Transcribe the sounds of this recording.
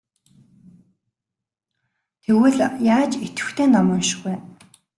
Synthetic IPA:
t̪ʰewɘ̆ɮjaːt͡ɕet̪ɘ̥̆xt̪ʰeːnɔmɔːnʃɪ̥̆xwe

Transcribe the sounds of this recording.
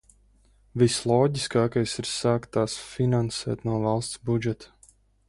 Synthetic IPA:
vislˠɔːɟiskaːkajsiɾsaːkt̪aːsfinansɛ̰ːt̪nuɔvalˠst̪sbud͡ʒɛt̪ḁ

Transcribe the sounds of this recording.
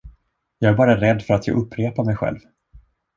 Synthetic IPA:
jɑːɡæɾbɑːɾaɾɛd̪ːfœɾat̪ʰjɑ̰ɡʔɵpʰːɾeːpamɛjɧɛ̰lv

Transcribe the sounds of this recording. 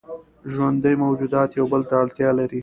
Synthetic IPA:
ʒwand̪əjmawd͡ʒud̪ɑt̪jawbəlt̪aːɽt̪jɑlaɾi

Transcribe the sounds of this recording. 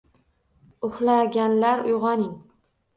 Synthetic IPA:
ʊχlaɡʲanlaɾʊjʁɒnɪŋ

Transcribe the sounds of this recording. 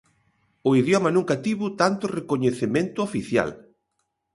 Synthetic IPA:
ʊiðjɔmɐnũŋkat̪iβʊt̪ant̪ʊrekoɲeθemẽnt̪ʊofiθja̰l

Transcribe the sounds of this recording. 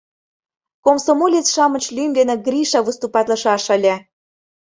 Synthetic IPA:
komsomolʲet͡sʃɑmə̆t͡ɕlʲymd̪enĕɡrʲiʃɑβəst̪upɑt̪lə̆ʃɑʃə̆lʲe

